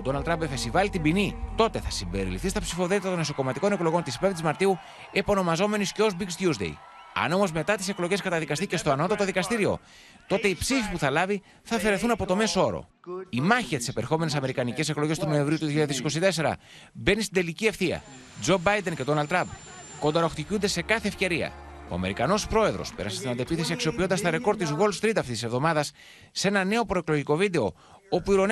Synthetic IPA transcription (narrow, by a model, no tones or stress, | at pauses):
od̪o̞nɐlt̪ːɾɐmbpefesivɐlit̪ibinit̪o̞t̪e̞θɐsimbe̞ɾḭlifθist̪ɐpsifo̞θe̞t̪it̪ɐt̪oneso̞ko̞mɐt̪iko̞ne̞klo̞ɣo̞nt̪ispvt̪izmɐɾt̪iu | epo̞no̞mɐzo̞me̞nisceozbiksjuzd̪ḛj | ɐ̰no̞mo̞zme̞t̪ɐt̪i̥se̞klo̞ʝe̞skɐt̪ɐðikɐst̪ice̞st̪oɐno̞t̪ɐt̪o̞ðikɐst̪iɾio̞̰ | t̪o̞t̪e̞ipsifipuθɐlɐvi | θɐfe̞ɾe̞θunɐpo̞t̪o̞me̞so̞ɾo̰ | imɐçiɐt̪i̥se̞peɾxo̞me̞nesɐme̞ɾikɐnice̞se̞klo̞ʝest̪uno̞e̞ɱvɾiut̪uðoçiʎaðesiko̞sit̪e̞se̞ɾɐ̰ | be̞nist̪id̪e̞licie̞fθiɐ̰ | d͡zo̞bɐjd̪e̞nce̞d̪onɐlt̪ːɾɐmb | ko̞d̪ɐɾo̞xt̪icund̪e̞se̞kɐθe̞ːfce̞ɾiɐ̰o̞̰ɐ̰me̞ɾikɐno̞spɾo̞e̞ðɾo̞̰spe̞ɾɐ̰sest̪inɐnd̪iepiθe̞siɐksio̞pio̞nd̪ɐst̪ɐɾe̞ko̞ɾd̪izɣo̞lst̪ɾit̪ɐft̪ist̪isvðo̞mɐðɐsː | e̞nɐne̞o̞pɾoe̞kloʝiko̞vid̪e̞o̞ | o̞puiɾo̞n